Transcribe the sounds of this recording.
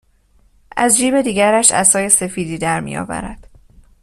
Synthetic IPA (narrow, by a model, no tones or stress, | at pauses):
ʔæzd͡ʒiːbe̞d̪iːɡæɾæʃæ̰sɒːje̞se̞fiːd̪iːd̪æɾmḭjɒ̰ːvæ̰ɾæ̰d̪̥